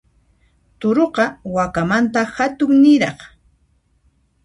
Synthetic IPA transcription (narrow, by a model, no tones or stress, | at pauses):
t̪ʊɾoqɑwakamant̪ahat̪ʊŋnɪɾɑχ